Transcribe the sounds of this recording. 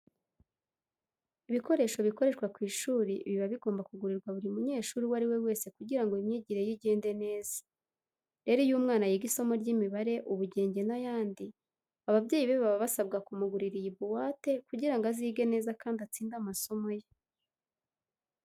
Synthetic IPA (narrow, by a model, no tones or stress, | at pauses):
iβiko̞ɾe̞ʃo̞βiko̞ɾe̞ʃkwakwiːʃuːɾiβiβaβiɡo̞ːmbakuɡuɾiɾɡwaβuɾiumuɲe̞ːʃuːɾiwaɾiwe̞we̞ːse̞kuɟiɾaŋɡoimɲiːɟiɾe̞jiɟe̞ːnde̞ne̞ːz̥ḁ | ɾe̞ɾojuːmŋaːnajiɡiso̞mo̞ɾɟimiβaɾe̞ʔuβuɟe̞ːɲɟe̞najaːndi | aβabɟe̞ːjiβeβaβaβasabɡakumuɡuɾiɾijiβuwaːte̞kuɟiɾaŋɡaziːɡe̞ne̞ːzakaːndat͡siːndamaso̞mo̞je